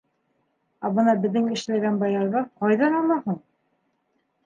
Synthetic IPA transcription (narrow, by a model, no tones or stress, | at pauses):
æbɤnɑbɘ̆ðːɘŋɘ̆ʃlæɡænbɑjɑɾʁɤqɒjðɑnɑmɑhuɴ